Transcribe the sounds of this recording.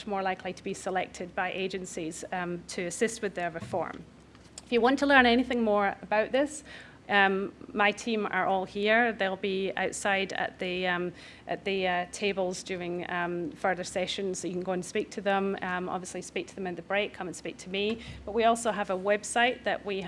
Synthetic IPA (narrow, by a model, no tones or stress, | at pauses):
t͡ʃmɔɹlˠaɪkʰlˠitʰəbisəlˠɛk̚tʰɪd̚baɪʔed͡ʒɨ̃nsiz̥tʰɨːsɪst̚wɨðə˞ɹɨfɔ̰ɹm | ɪfjɨwɑ̃ntʰəlˠɜ̃˞ñɛñiθɪ̃ŋmɔɹəbaʊʔ̪ðɪs | maɪtʰĩmə̰˞ʔɔlˠhiɹðeɪlˠbia̰ʊtsaɪɾə̰ʔ̪̚ðɨ | ʔɨ̰ʔ̪̚ðɨtʰebl̩ˠzd͡ʒʉɪ̃ŋfɜ˞ðə˞sɛʃə̃nz̥ojɨkn̩ɡoə̃nspik̚tʰɨðə̃mɔ̰bviəslˠispik̚tʰəðə̃mɨ̃nðəbɹekʰːʌ̃m̃nspik̚tʰəmib̥ʌʔwiɔlˠsoəvəwɛb̥saɪʔ̚ðə̰ʔwi